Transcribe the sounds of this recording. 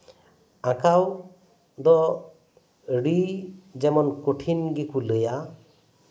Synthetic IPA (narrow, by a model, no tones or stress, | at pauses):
akaw | d̪ɔ | ɽid͡ʒɛmɔnkoʈʰinɡikuləja